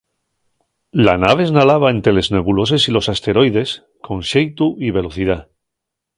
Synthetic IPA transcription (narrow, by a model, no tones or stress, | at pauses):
la̰naβ̞e̞ːznalaβ̞ae̞nt̪ɾe̞le̞zne̞βulo̞s̬e̞silo̞sast̪e̞ɾo̞jðe̞s | kʰo̞nʃejt̪uʔiβe̞lo̞θiða